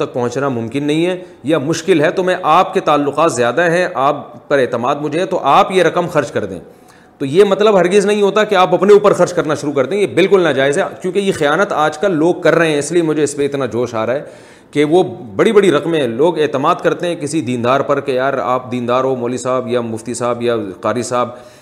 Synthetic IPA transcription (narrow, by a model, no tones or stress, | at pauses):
t̪ɐk̚pɐɦʊ̃t͡ʃnamʊ̃mkɪnːɐɦĩɦɛ | jamʊʃkɪlɦɛt̪omɛ̃ʔaːpket̪aːlːʊqaːt̪zjaːd̪aɦɛ̃ʔaːppɐɾeːt̪əmaːd̪mʊd͡ʒʱeɦɛt̪oʔaːpjeɾɐqəmxɐɾd͡ʒkɐɾd̪ḛ̃ | t̪ojemɐt̪ləbɦɐɾɡɪznɐɦĩɦoːt̪akeaːpɐpneuːpəɾxɐɾd͡ʒkɐɾnaʃʊɾuk̬ɐɾt̪ẽɦɛ̃jebɪlkʊlnɐd͡ʒaːɪzɦɛkjũːkejexɐjaːnət̪aːd͡ʒkɐlːoːɡ̚kɐɾːɐɦẽɛ̃ɪsliemʊd͡ʒʱeɪspeɪt̪nad͡ʒoːʃaːɾaːɦɛː | keʋobɐɽibɐɽiɾɐqmɦɛ̃loːɡeːt̪ɪmaːd̪kɐɾt̪eɦɛ̃kɪsid̪iːnd̪aːɾpɐɾkejaːɾa̰ːp̚d̪iːnd̪aːɾɦomoːlisaːbjamʊft̪isaːbjaqaːɾisaːb̚